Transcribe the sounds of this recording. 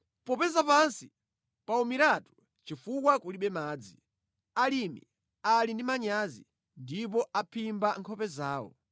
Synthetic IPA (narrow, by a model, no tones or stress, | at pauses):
pɔpɛzapansi | paumiɾatu̥ | t͡ʃifukwakuliɓɛmaːd͡zi | alimḭ | alindimaɲazi | ndipɔapʰimbaŋkʰɔpɛzaːwɔ̰